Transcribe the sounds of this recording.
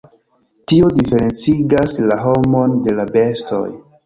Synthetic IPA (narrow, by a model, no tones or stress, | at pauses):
tiodife̞ɾe̞nt͡siɡaslaɦo̞mo̞nde̞labe̞sto̞̰j